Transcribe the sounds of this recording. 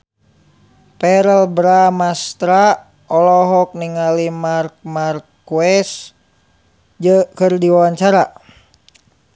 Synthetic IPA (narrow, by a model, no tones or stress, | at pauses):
pɛɾəlbɾamast̪ɾa | ɔlɔɦɔk̚niŋalimark̚markː | wɛs | d͡ʒəkɨrdiwawaɲt͡ʃaɾa